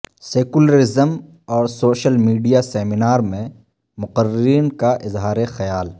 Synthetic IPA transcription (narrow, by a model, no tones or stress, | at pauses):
seːkuləɾɪzəm | ɔːɾsoːʃəlmiːɖijasɛːmɪnaːɾmẽ | mʊqəɾːɪɾiːnkaʔɪzɦaːɾexɐjaːl